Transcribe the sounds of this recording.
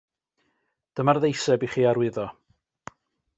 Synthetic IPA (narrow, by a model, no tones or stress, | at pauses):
d̥əmarðejsɛbiχiːaɾwɪðɔ